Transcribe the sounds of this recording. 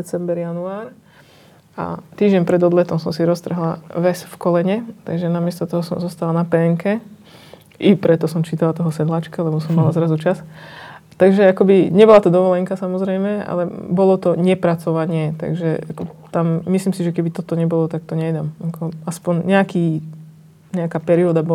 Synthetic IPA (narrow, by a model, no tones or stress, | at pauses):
t͡sɛmbɛɾjanuaːɾ | a̰t̪iːʒɟɛnpɾɛd̪ɔd̪lɛt̪ɔmsɔmsiɾɔst̪r̩ɦlaʋɛsfkɔlɛɲɛt̪a̰ɡʒɛnamɪɛst̪ɔt̪ɔɦɔsɔmzɔst̪alanapɛːŋkɛ | ʔipɾɛt̪ɔsɔmt͡ʃiːt̪alat̪ɔɦɔsɛd̪laːt͡ʃkalɛbɔsɔmːalazɾazut͡ʃas | t̪aɡʒɛakɔbiɲɛbɔlat̪ɔd̪ɔʋɔlɛŋkasamɔzɾɛjmɛa̰lɛbɔlɔt̪ɔɲɛpɾat͡sɔʋaɲɪɛt̪a̰ɡʒɛʔa̰kɔt̪amːisliːmsiʒɛkɛbit̪ɔt̪ɔɲɛbɔlɔt̪ak̚t̪ɔɲɛjd̪amakʰɔaspɔɲɲɛakiː | ɲɛakaːpɛɾiɔd̪abɔ